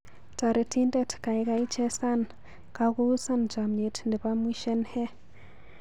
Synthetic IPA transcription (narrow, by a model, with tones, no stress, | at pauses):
ta˨ɾe˨tʰi˦nde˦tka˨i˦ka˦i˦t͡ʃe˦sa˦n | ka˨ku˦u˦sa˦nd͡ʒa˨mɲe˨tndɛ˨pa˦mwi˦ʃe˦nhe˦